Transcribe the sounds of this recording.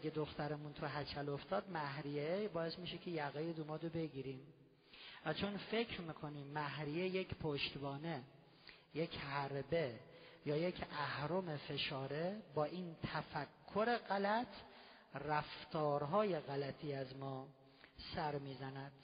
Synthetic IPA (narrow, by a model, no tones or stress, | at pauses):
ɡed̪oxt̪æɾemunt̪ʰuɦæt͡ʃʰæloft̪ɒːd̪mæhɾijebɒːje̞smiːʃekʰejæɣejed̪umɒːd̪obe̞ɡiːɾim | væt͡ʃʰonfecʰɾmiːkʰoniːmːæɦɾijejecʰpʰoʃt̪bɒːne | jecʰhæɾbe̞jɒːjecʰæhɾomefe̞ʃɒːɾebɒːʔiːnt̪ʰæfækʰːoɾe̞ɣælæt̪ʰ | ræft̪ʰɒːɾɦɒːje̞ɣælæt̪ʰiːæzmɒː | sæɾmiːzænæd̪̥